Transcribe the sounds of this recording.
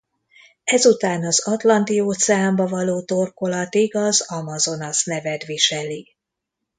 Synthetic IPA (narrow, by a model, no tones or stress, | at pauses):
ɛzut̪aːnɒzɒt̪lɒnt̪ioːt̪sɛaːmbɒvɒloːt̪o̞rko̞lɒt̪iɡɒzɒmɒzo̞nɒsnɛvɛd̪ʋiʃɛli